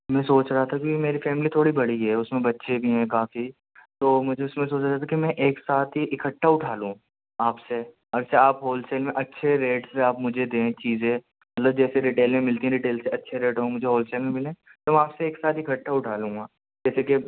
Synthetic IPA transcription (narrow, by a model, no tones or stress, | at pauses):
mɛ̃ːsoːt͡ʃɾaɦat̪ʰakimeːɾifɛːmlit̪ʰoːɽibɐɽiɦɛʊsmẽbɐtːʃʰebʱiɦɛ̃kaːfi | t̪oːmʊd͡ʒʱeʊsmẽsoːt͡ʃɾaat̪ʰakimɛ̃ʔeːksaːt̪ʰɦiʔɪkʰəʈːaʊʈʰaːlũ | aːpse | ɐɾseaːpɦoːlseːlmẽʔɐtːʃʰeɾeːʈseaːpmʊd͡ʒʱed̪ẽt͡ʃiːzẽ | mɐt̪ləb̚d͡ʒɛːseɾɪʈeːlmẽmɪlt̪iɦɛ̃ɾɪʈeːlseɐtːʃʰeɾeːʈɦõːmʊd͡ʒʱeɦoːlseːlmẽmɪlẽt̪omɛ̃aːpseeːksaːt̪ɪkʰəʈːaʊʈʰaːlũːɡa | d͡ʒɛːseke